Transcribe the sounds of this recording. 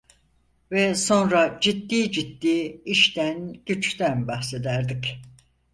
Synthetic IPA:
vɛso̞nɾad͡ʒit̪ːiːd͡ʒit̪ːiːiʃt̪ænɟ̥yt͡ʃt̪ʰænbaxse̞d̪æɾd̪ic

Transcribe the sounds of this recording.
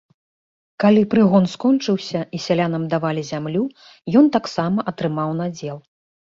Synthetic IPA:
kalʲipɾɨɣɔnskɔnt͡ʂɨwsʲɐisʲalʲanɐmd̪avalʲizʲamlʲu | jɔnt̪aksamɐʔɐt̪ɾɨmawnad͡zʲɛlˠ

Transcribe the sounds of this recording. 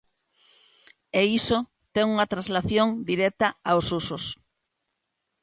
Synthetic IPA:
eiso | t̪ɛŋuŋat̪ɾãzlaθjõŋd̪iɾɛk̚t̪aaosusos

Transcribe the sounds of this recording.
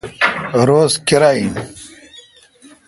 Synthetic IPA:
ɾoːzkiɾain

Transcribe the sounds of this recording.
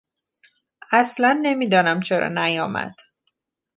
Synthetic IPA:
æslænːe̞miːd̪ɒːnæmt͡ʃʰeɾɒ̰ːnæjɒːmæ̰d̪̥

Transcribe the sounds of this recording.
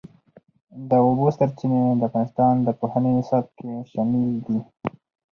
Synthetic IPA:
d̪əobost̪aɾt͡ʃined̪əafɣɑnɪst̪ɑnd̪əpohaneɪsɑb̚keʃamild̪i

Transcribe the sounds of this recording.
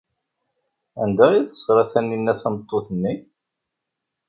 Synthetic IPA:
ænd̪æiθə̥sɾˤɑθænːinːæθɑmət̪ˤːoθənːi

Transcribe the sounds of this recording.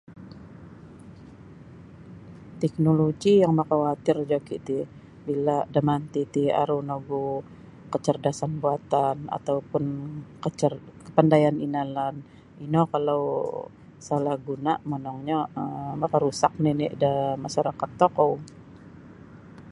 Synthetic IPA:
t̪ɛk̚noloɡijaŋmakawat̪ɪrd͡ʒakḭt̪i | bilaʔdamant̪it̪ia̰ɾunoɡu | kət͡ʃərdasanbuat̪ana̰t̪awpʊnkət͡ʃərkə̥pandajaninalan | inɔkalaw | salahɡunaʔmənɔŋɲaəmakaɾusak̚ninɪʔdəmaʃaɾakat̪ːokow

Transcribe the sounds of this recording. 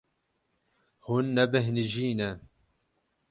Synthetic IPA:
hunːɛbɨɦnɨʒiːnɛ

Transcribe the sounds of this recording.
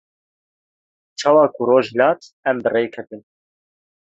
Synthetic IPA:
t͡ʃʰɑːwɑːkʰuroːʒlɑːt̪ɛmbɨreːjkʰɛt̪ɨn

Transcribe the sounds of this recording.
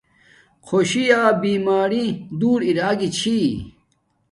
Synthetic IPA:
kʰoɕiaːbiːmaːɾid̪uːɾiɾaːɡit͡ɕʰi

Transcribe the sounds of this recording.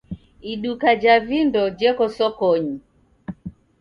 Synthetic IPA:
iɗukad͡ʒavindɔd͡ʒɛkɔsɔkɔɲi

